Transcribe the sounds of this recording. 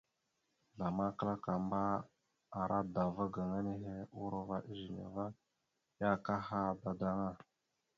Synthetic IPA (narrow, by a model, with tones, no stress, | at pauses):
da˨ma˦kə˦la˦ka˨mba˦ | a˨ɾʔa˦da˨va˦ɡa˨ŋa˦ne˦ɦe˦u˦ɾo˦va˦ʔi˦ʒi˨ɲa̰˨va˦ | ja˦ka˦ha˦˨da˨da˦ŋa˦